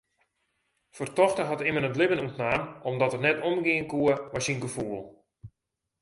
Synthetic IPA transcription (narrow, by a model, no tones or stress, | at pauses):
fərtɔxtəɦɔtɪmənətlɪbənutnaːmɔmdɔtərnɛtomɡɪənkuəʋɔsinɡəfuəlˠ